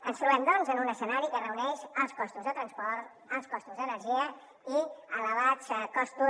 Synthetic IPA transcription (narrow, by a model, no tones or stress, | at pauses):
ənst̪ɾuβɛmd̪ɔnzənunəsənaɾikərəunɛʃəlˠskɔst̪uzðət̪ɾənspɔɾt̪ | əlˠskɔst̪uzðənəɾʒiə | iələβat͡skɔst̪u